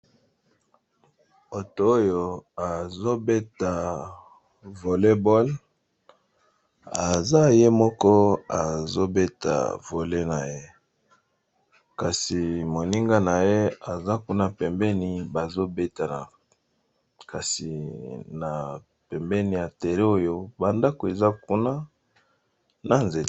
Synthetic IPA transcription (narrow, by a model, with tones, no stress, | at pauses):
o˨to˨o˦jo˨a˨zo˦be˦ta˨ | vo˨le˦bo˦l | a˨za˦je˦mɔ˦kɔ˦a˨zo˦be˦ta̰˨vo˨le˦na˨je˦ | ka˨si˨mo˨ni˦ŋɡa˦na˨je˦a˨za˦ku˦na˨pɛ˨mbɛ˦ni˨ba˨zo˦be˦ta˨na˨ | ka˨si˨na˨ | pɛ˨mbɛ˦ni˨ja˨te˨le˦o˦jo˦ba˨nda˦ko˨e˨za˦ku˦na˦ | na˨nze˨t